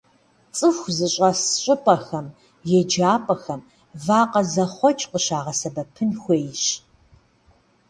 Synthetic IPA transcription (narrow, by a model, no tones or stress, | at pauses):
t͡sʼɨxʷzɨɕʼɐsɕʼɪpʼɐxɐm | jɛd͡ʒaːpʼɐxɐm | vaːqɐzɐχʷɔt͡ʃʼqəɕaːʁɐsɐbɐpʰɨnxʷeːjɕ